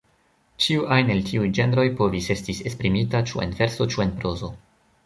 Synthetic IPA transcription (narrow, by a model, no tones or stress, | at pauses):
t͡ʃiuʔajne̞ltʰiujd͡ʒe̞nɾo̞jpo̞vise̞stise̞spɾimitat͡ʃue̞̰nve̞ɾso̞t͡ʃue̞npɾo̞zo̞